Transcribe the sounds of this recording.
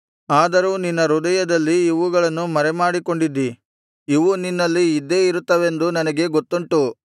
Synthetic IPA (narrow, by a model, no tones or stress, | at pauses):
aːd̪ɐɾuːninːɐɾud̪ɐjɐd̪ɐlːiːʋuɡɐɭɐnːumɐɾɛmaːɽiko̞ɳɖid̪ːi | iʋuninːɐlːiːd̪ːe̞ːiɾut̪ːɐʋe̞nd̪unɐnɐɡe̞ɡot̪ːuɳʈu